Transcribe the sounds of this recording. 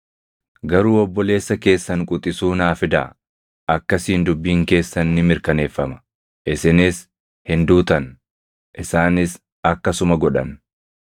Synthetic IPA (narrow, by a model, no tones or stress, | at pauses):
ɡɐɾuːɔbːɔle̞ːsːɐke̞ːsːɐŋkʼʊt̪ʼɪsuːnaːfɪd̪a̰ | ʔɐkːɐsiːnd̪ʊbːiːŋke̞ːsːɐnːɪmɪɾkɐne̞ːfːɐmɐ̥ | ʔɪsɪnɪs | hɪnd̪uːt̪ɐn | ʔɪsaːnɪs | ɐkːɐsʊmɐɡɔᶑɐ̰n